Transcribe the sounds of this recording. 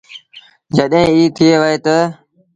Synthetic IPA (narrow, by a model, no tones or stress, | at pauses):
d͡ʒəɗẽːiːt̪ʰɪeːʋəɦeːt̪ə